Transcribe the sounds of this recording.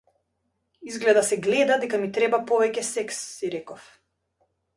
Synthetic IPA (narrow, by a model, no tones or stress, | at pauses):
izɡlɛd̪asɛɡlɛd̪ad̪ɛkamit̪ɾɛbapɔvɛcɛsɛksːiɾɛkɔf